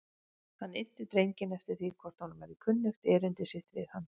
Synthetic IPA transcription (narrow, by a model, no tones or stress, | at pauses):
θanːen̥t̪ɪt̪ɾejɲcɪnɛft̪ɪɾ̥θikʰvɔɾ̥t̪hanʏmɛɾikʰʏnːʏxt̪ɛːɾɪnt̪ɪsɪht̪vɪ̰ðhanː